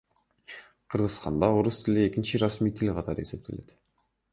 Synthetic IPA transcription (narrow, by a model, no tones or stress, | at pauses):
qʰəɾʁəzsq̪ɑ̰nd̪ɑoɾust̪ʰɪliekʲɪnʃɪɾasmijt̪ʰilʲqʰɑt̪ɑɾəe̞se̞p̚t̪ʰe̞̰let̪